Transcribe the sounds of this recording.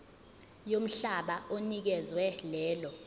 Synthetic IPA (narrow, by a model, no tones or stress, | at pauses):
jom̩ɬaɓaonik̬ɛzwɛlɛːlɔ